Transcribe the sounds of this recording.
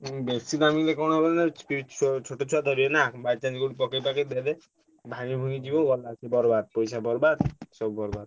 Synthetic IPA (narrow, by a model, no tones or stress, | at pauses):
besid̪amilekɔɽ̃obɔlnapiit͡ʃʰot͡ʃʰoʈot͡ʃʰuad̪ɔɾienabat͡ʃanikuɽipɔkejpakeded̪e | bʱañibʱuŋid͡ʒiboɡɔlat͡ʃʰebɔɾbad̪̚pɔjsabɔɾbad̪sɔbɔbɔɾbad̪